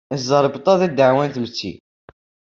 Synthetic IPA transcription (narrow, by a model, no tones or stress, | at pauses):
zˤəɾˤbt̪ˤɑðˤid̪əʕwænt̪mt͡sːḭ